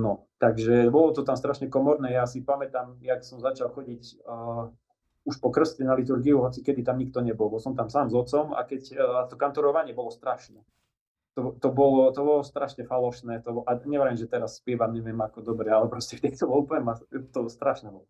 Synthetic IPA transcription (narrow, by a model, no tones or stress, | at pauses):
nɔ | t̪aɡʒɛbɔlɔt̪ɔt̪amst̪ɾaʃɲɛkɔmɔɾnɛːjasipamɛt̪amjaksɔmzat͡ʃalˠxɔɟicː | uʃpɔkr̩scɛnalit̪̬uɾɡiuɦɔt͡sikɛd̪it̪amɲik̚t̪ɔɲɛbɔlˠbɔlsɔmt̪amsaːmzɔt͡sɔma̰kɛcat̪ɔkant̪uɾɔʋaɲɪɛbɔlɔst̪ɾaʃnɛ | t̪ɔt̪ɔbɔlɔt̪ɔbɔlɔst̪ɾaʃɲɛfalɔʃnɛːt̪ɔʔaɲɛʋɛɾɛmʒɛt̪ɛɾasːpɪɛʋamɲɛʋɪɛmakɔd̪ɔbɾɛalɛpɾɔscɛft̪ɛkt̪ɔbɔlɔuplɲɛmat̪ɔst̪ɾaʃnɛbɔlɔ